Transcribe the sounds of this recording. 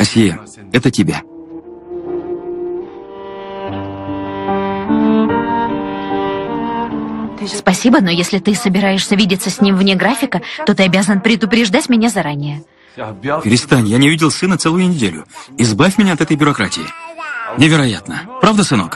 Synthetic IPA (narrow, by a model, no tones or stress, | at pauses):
ɐsʲijə | ɛt̪ətʲɪbʲa̰ | spɐsʲibəno̞jesʲlʲɪt̪ɨsəbʲɪɾajɪʂsʲəvʲidʲɪt̪səsʲnʲimvnʲeɡɾafʲɪkət̪o̞t̪ɨɐbʲazənpɾʲɪd̪ʊpɾʲɪʐd̪atʲmʲɪnʲazɐɾanʲɪjə | pʲɪɾʲɪst̪anʲjanʲɪʊvʲidʲɪlˠsɨnət̪sɛlˠʊjʊnʲɪdʲelʲʊ̰iɪzbafʲmʲɪnʲaɐt̪ɛt̪əjbʲʊɾɐkɾatʲɪ̰ɪ̰nʲɪvʲɪɾɐja̰t̪nəpɾavd̪əsɨnok